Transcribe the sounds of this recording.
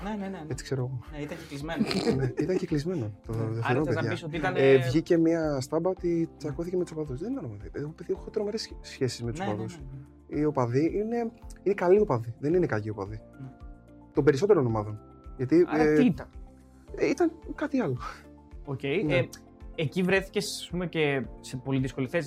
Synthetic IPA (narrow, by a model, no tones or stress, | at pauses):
nenet͡si̥kse̞ɾoɣoit̪ɐcilizmeneit̪ɐɲceklizme̞not̪ot̪ofiɾonpeðʝɐsɐnvʝice̞miɐst̪ɐbɐot̪it͡sɐkoθiceme̞t̪usopɐðusðenit̪ɐnopɐðipeðeɣopeðiexot̪ɾo̞me̞ɾesːçe̞si̥zmet̪uspɐðus | iopɐðiʔine̞inekɐlio̞pɐðiðe̞nine̞kɐʎio̞pɐði | t̪obe̞ɾiso̞t̪eɾonomɐðo̞n | ʝɐt̪it̪ɐ | it̪ɐŋkɐt̪iɐlo | ocej | ecivɾeθi̥cesɐspumecesepo̞liðisko̞liθes